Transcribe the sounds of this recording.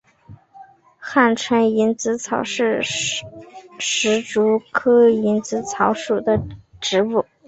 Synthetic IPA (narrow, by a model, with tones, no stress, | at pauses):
xa˥˩nʈ͡ʂʰwə˧˥ni˧˥nt͡sɹ̩˧˥t͡sʰɑ˨˧˥ʊʂɻ̩˥˩ | ʂɻ̩˧˥ʈ͡ʂu˧˥kʰɤ˥i˧˥nt͡sɹ̩˧˥t͡sʰɑ˧˥ʊʂu˨˩d̪ə˦ʈ͡ʂɻ̩˧˥pu˥˩